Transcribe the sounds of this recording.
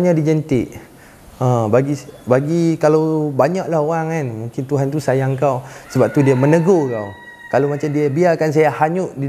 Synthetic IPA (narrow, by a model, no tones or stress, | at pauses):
ɲadid͡ʒənt̪ɪʔ | əbaɡibaɡikalawbaɲaʔlahoaŋanmũŋkɪnt̪uɦant̪usajaŋkawsəbap̚t̪udiamə̃nəɡoka̰w | kalamat͡ʃamdiabiarkans̬ajahaɲuʔdi